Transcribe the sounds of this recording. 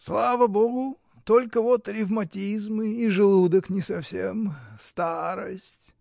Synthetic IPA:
slˠavəboɡʊ | t̪olʲkəvot̪ɾʲɪvmɐtʲizmɨiʐɨlˠud̪əknʲɪsɐfsʲemst̪aɾəsʲtʲ

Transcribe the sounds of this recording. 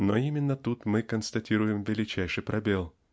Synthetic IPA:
noimʲɪnːət̪ut̪mɨkənst̪ɐtʲiɾʊjɪmvʲɪlʲɪt͡ɕæjʂɨjpɾʔɐbʲelˠ

